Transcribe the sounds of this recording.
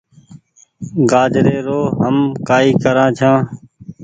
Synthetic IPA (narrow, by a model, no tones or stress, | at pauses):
ɡaːd͡ʒɾeːɾoːɦəmkaːiːkəɾãːt͡ʃʰãː